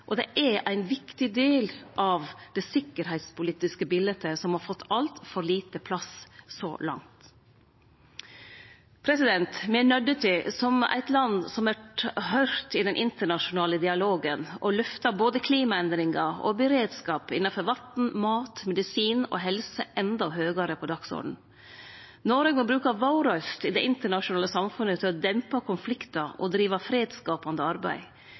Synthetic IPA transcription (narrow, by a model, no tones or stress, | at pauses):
ʔɔd̪ɛʔæɾæɪnʋɪkt̪ɪd̪eːlʔɑʋd̪̥ɛsɪkːəɾhæɪt̪spʊliːt̪ɪskəbɪlət̪ʰəsɔmhɑːɾfɔt̪ʰːɑlt̪fɔɾɭiːt̪əpʰlɑssɔ̰lɑ̰ŋt̪ | pʰɾɛsɪd̪ɛnt̪mɛnœɖət̪ʰɪsɔmæ̰ɪt̪lɑnsɔmʋæʈhœʏɾt̪ɪd̪ɛnʔɪnt̪əɳɑʃʊnɑːləd̪ɪɑloːɡənʔɔlʉft̪ɑboːd̪əkʰliːmɑɛnd̪ɾɪŋɑɔ̰bəɾeːd̪skɑːpɪ̰nːɑfɔɾʋɑt̪n̩mɑːt̪mɛd̪ɪsiːnɔ̰ɦɛlsəʔɛnd̪ɑɦøːɡɑɾəpʰɔd̪ɑksɔ̰ɖɳ̩ | noːɾøːɡmɔbɾʉːkɑʋɑʊɾɑst̪ɪd̪ɛʔɪnt̪əɳɑʂʊnɑːləsɑmfʉnːət̪ʰɪlɔd̪ɛmpɑkʰʊnflɪkt̪ɑɔd̪ɾiːʋɑfɾeːd̪skɑːpɑnd̪əɑɾbæ̰ɪ